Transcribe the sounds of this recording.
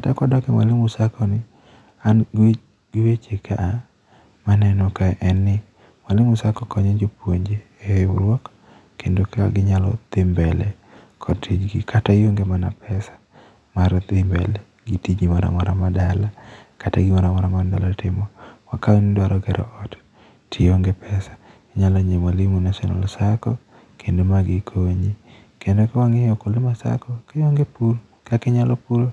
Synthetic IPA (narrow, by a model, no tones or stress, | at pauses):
kkatakwadɔkɛma̰lɪmʊsakɔnɪ | an | ɡɪwet͡ʃɪkʰaa | manɛnɔkaʔɛnɪ | malɪmʊsakɔkʰɔɲed͡ʒopwoɲd͡ʒe | ew̰lwɔk | kendoka̰ɡɪɲalɔ̰t̪ɪmbɛlɛ | kʰɔtʰid͡ʒɡɪkʰatajoŋɡemana̰pʰɛsḁ | maɾt̪ɪmbɛ̰lɛ | ɡitid͡ʒimaɾa̰mɔɾamadalakataɡɪmaɾamɔɾamadalatɪmɔwakaonidwaɾɔɡɛɾɔ̰ɔt | tʰɪjoŋɡepʰɛsḁ | ɲalɔɲemalimunasɔna̰lsakɔ | kʰendemaɡɪkʰoɲi | kendokɛwaŋeokolɪmasa̰kɔkejoŋɡepul | kakɪɲalɔpulo